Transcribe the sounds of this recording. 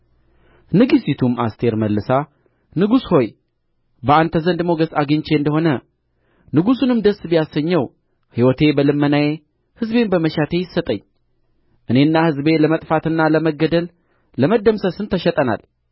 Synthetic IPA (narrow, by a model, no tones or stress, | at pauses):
nɨɡisit̪ʰuma̰st̪ʰe̞ɾməlːɨsa | nɨɡusho̞j | bəant̪ʰəzənd̪mo̞ɡəsaɡɨɲt͡ʃe̞ɨnd̪əho̞nə | nɨɡusunɨmd̪əsːbijasːəɲːɛw | hiwɔt̪ʰe̞bəlɨmːənaje̞ | hɨzbe̞mbəməʃat̪ʰe̞jɪsət̪ʼəɲː | ʔɨne̞nːahɨzbe̞ləmət̪ʼfat̪ɨnːaləməɡəd̪əlː | əməd̪ːəmsəsɨnt̪ʰəʃɛt̪ʼəna̰l